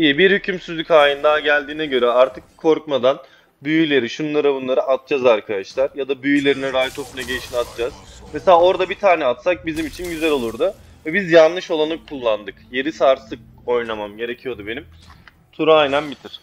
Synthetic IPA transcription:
ijɛbiɾhycʰymsyzlʲycaːjɯnd̪aːɟælʲd̪iːnɛɟø̞ɾɛaɾt̪ʰɯkʰːo̞ɾkmad̪an | byjylʲe̞ɾiʃunlˠaɾabunlˠaɾɯʔat̪̚d͡ʒ̥azaɾkʰad̪aʃlˠaɾjad̪abyjylʲe̞ɾiniɾajt̪ʰo̞funˠaɟejiʃinat̪̚d͡ʒaz̥meselʲaːo̞ɾd̪abit̪ʰaːnɛat̪sak̚bizimit͡ʃʰinɟyzɛlʲo̞lˠuɾd̪ʊ | vɛbizjanlˠɯʃo̞lˠanɯkʰulˠːand̪ɯkje̞ɾisaːɾsɯk̚ | o̞jnamamɟe̞ɾe̞cʰijo̞d̪ube̞nim | t̪ʰuɾajnanbit̪ʰiɾ̥

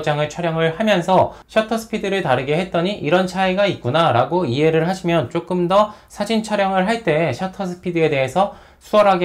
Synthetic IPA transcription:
d͡ʑaŋet͡ɕʰʌɾjʌŋɯɭhamjʌnsʰʌɕʰʌtʰʌsʰɯ̥pʰidɯɾɯɭtaɾɯɡe̞ɦe̞t̚t͈ʌɲiʔiɾʌnt͡ɕʰaiɡait̚k͈unaɾaɡoiɦe̞ɾɯɭɦaɕʰimjʌnt͡ɕ͈ok͈ɯmdʌsʰad͡ʑint͡ɕʰʌɾjʌŋɯɭɦaɭt͈e̞ːɕʰʌtʰʌsʰɯ̥pʰidɯe̞de̞ɦesʰʌ | sʰuʌɾɦaɡ

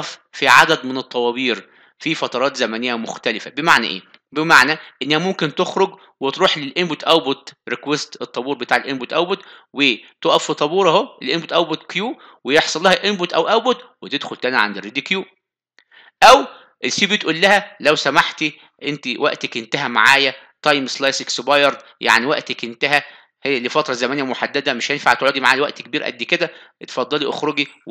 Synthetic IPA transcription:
ffiʕad̪æd̪menet̪ˤːɑwɑbiːɾ | fifɑt̪ˤɑɾˤɑːt̪zæmænejːæmoxt̪ælefæbemaʕnæ̰ʔḛː | bemaʕnæʔenːæhæmomkent̪oxɾoɡ | wet̪ɾuːħlelʔenbot̪ʔæwbot̪ɾekwest̪et̪ˤːɑbuːɾbet̪aːʕelʔenbot̪ʔæwbot̪wet̪oʔæffit̪ˤːɑbuːɾˤɑhoʔelʔenbot̪ʔæwbot̪kjuːwejeħsˤɑlːɑːhæʔenbot̪ʔæwʔæwbot̪wet̪ed̪xolt̪ænæʕa̰nd̪ered̪ikjuː | ʔæw | ʔelsiːbit̪ʔulːæhælæwsæmaħt̪i | ʔent̪iwæʔt̪ækʔent̪æɦæma̰ʕaːjæt̪ˤɑjmslɑjseksbɑjɑɾˤd̪ | ja̰ʕniwæʔt̪ækʔent̪æɦæ | hejːælifɑt̪ɾˤɑzæmænemoħad̪ːæd̪æmeʃhenfa̰ʕt̪ʕoːd̪imaʕaːlwæʔt̪kebiːɾʔæ̰d̪ːiked̪æt̪e̥fɑd̪ˤːɑliʔo̰xɾoɡi

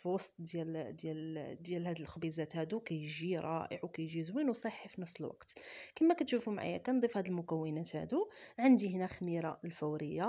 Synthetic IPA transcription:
fwɑsˤt̪̚ˤd̪jæld̪jæld̪jælhæd̪əlxbizæt̪hæd̪ukæjʒiɾˤɑ̰ʔə̰ʕwkæjʒizwinwsˤɑħːifinɑfsəlwɑ̰qt̪kəmːækæt̪ʃufumʕa̰jæ̰kænd̪ˤifhæd̪əlmʊkæwːənæt̪hæ̰d̪uʕənd̪ihnæxmiɾɑlfæwɾəjːa

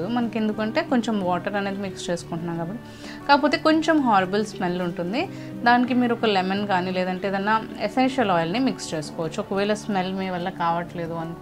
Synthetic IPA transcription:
umɐnɐke̞nd̪ukɐɳʈe̞ːkoɲt͡ʃemʋaːʈɐɾɐne̞ːd̪imikst͡ʃe̞ːsu̥kuɳʈunːaːkaːbɐʈːi | kaːɐpoːt̪e̞ːko̞ɲt͡ʃemɦaːɾibɐlsmelːuɳʈund̪i | d̪aːnikimiːɾuɔkɐlemenkaːnileːd̪ɐɳʈe̞ːd̪ɐnːaːesenʃɐlɔːjɐlnimikst͡ʃe̞ːsu̥kɔːʋɐt͡ʃːuɔkɐʋɛːlɐsmelmiːʋɐlːɐkaːʋɐʈle̞ːd̪uɐn

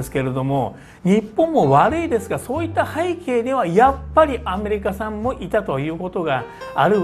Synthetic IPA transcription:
sɨ̥ke̞ɾe̞d̪o̞mo̞ | ɲ̟ipːõmːo̞βaɾɯ̟id̪e̞sɨɡaso̞ːit̪ːahaikʰe̞ːd̪eβajapːaɾʲiʔame̞ɾʲikasãmːo̞ʔit̪at̪o̞jɯ̟ːko̞t̪o̞ɡaaɾɯ

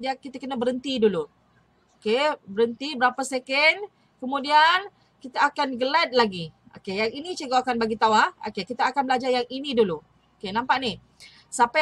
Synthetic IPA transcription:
diakit̪akənabəɾənt̪idulu | okebəɾənt̪ibəɾapasekən | kəmũdian | kit̪aːkanɡəlat̪̚laɡi | o̰kejaŋinĩt͡ʃəɡoakanbaɡit̪awao̰kekit̪aakanbəlad͡ʒarjaŋinĩdulu | okenãmpaʔni | sapa

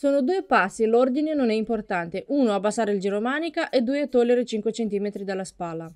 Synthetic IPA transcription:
soːnod̪uːepasːilord̪inenonɛimport̪ant̪eʔuːnoabːasaːɾeild͡ʒiɾomaːnikaʔed̪uːet̪ːolːeɾet͡ʃiŋkwet͡ʃent̪iːmet̪ɾid̪alːaspaːlːa

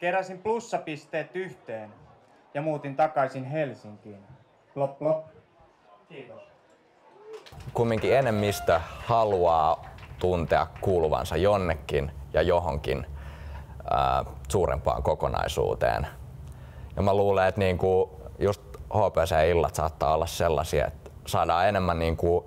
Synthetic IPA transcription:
keræsimplusːɑpist̪eːt̪ːyht̪eːn | jɑmuːt̪int̪ɑkɑisinɦelsiŋkiːn | kumːiŋkienːemːist̪æhɑluɑːt̪unt̪eɑkkuːluʋɑ̰nsɑjonːekːinjɑjoɦoŋkḭn | ə̰ːsuːrḛmpɑ̰ːŋkokonɑ̰isṵːt̪ḛːn | jɑmæluːleet̪niːŋku | just̪hoːpæsejɑilːɑt̪sɑːt̪ːɑːolːɑsselːɑsiɑ̰ḛt̪ | sɑːdɑːenemːænniːŋku

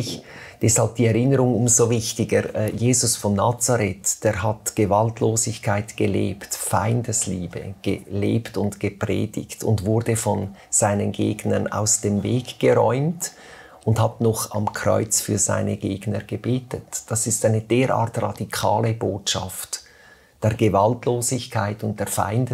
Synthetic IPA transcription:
ɪçd̥ɛshalb̚d̥iɛʁɪnəɾʊŋʊmzovɪçtɪɡəjeːzʊsfɔnːaːt͡saɾɛtd̥eːɾɦatɡ̥əvaltʰloːzɪçkʰaɪtɡ̥əlḛːptfaɪndəsliːbə̰ɡ̥ə̰leːptʊntɡ̥əpʁ̥ɛ̰ːdɪ̰çtʊndvʊɾdəfɔnz̥aɪnənɡeːɡnəna̰ʊsd̥eːmveːɡɡ̥əʁɔʏmt | ʔʊndhatnɔχa̰mkʰʁ̥ɔ̰ʏt͡sfyːɐza̰ɪnəɡeːɡnəɡ̥əbeːtətd̥asɪstaɪnəd̥eːɾa̰ːɐtrɑd̥ikʰaːləboːtʃa̰ft | d̥eːɐɡəvaltloːzɪçkʰaɪtʊnt̚d̥eːɐfa̰ɪndə

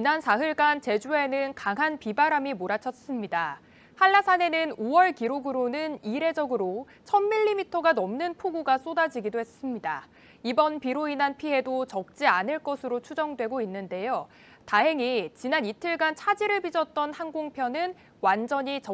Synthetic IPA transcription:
t͡ɕinansʰaɦɯɭɡant͡ɕe̞d͡ʑue̞nɯnkaŋɦanpibaɾamimoɾat͡ɕʰʌs͈ɯmɲida | haɭːasʰane̞nɯnowʌɭkiɾoɡɯɾonɯniɾe̞d͡ʑʌɡɯɾo | t͡ɕʰʌnmiʎːimitʰʌɡanʌmnɯnpʰoɡuɡas͈odad͡ʑiɡidohe̞s͈ɯmɲida̰ | ibʌnpiɾoinanpʰiɦe̞dot͡ɕʌk̚t͡ɕ͈ianɯɭk͈ʌsʰɯɾot͡ɕʰud͡ʑʌŋdwe̞ɡoinːɯnde̞jo | taɦe̞ŋit͡ɕinanitʰɯɭɡant͡ɕʰad͡ʑiɾɯɭbid͡ʑʌt̚t͈ʌnhaŋɡoŋpʰjʌnɯn | wand͡ʑʌɲit͡ɕʌ

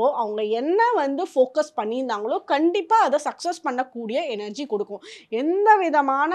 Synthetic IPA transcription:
oːʔɐʋɐŋɡɐɛnːɐʋɐnd̪ɯfoːkɐspɐɳːɪnd̪aːŋɡɐɭoːkɐɳɖɪpːaːɐðɛsɐksɐspɐɳːɐkːuːɽɪjɐɛnɐɾd͡ʒikɔɽɯkːʊ̃ɛnd̪ɐʋɪðɐmaːnɐ

